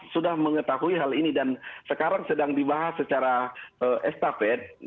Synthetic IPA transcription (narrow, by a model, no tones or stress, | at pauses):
sudahməŋət̪aɦuiɦalinidansəkaɾaŋsədaŋdibaɦasət͡ʃaɾaəʔɛst̪afɛt̪̚